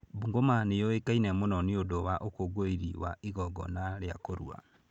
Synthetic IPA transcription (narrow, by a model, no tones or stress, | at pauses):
buŋɡomanejɔekainɛmonɔniodowaʔokoɡoiɾḭwa̰iɣɔɡɔ̰naɾeakoɾṵa̰